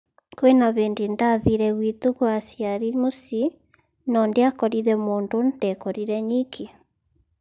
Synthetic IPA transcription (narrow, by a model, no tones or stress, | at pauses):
kwenaβeːndindaðiɾɛɣwit̪uɣwasjaɾimosi | nɔndeakɔɾiɾɛmoːndondekɔɾiɾɛɲikʰi